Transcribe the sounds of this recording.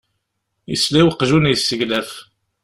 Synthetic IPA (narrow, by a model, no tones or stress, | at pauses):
jəsliwəqːʒunjsːəʝlæf